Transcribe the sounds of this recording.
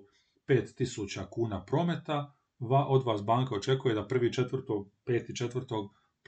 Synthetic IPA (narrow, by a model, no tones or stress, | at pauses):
pe̞ːt̪ːisuːt͡ɕakuːnapɾo̞ːmet̪a | ʋaʔo̞d̪ʋaːsbaːŋkao̞t͡ʃe̞kuje̞d̪apr̩ʋiːt͡ʃe̞t̪ʋr̩t̪oɡpe̞ːt̪it͡ʃe̞t̪ʋr̩t̪o̞ɡ | p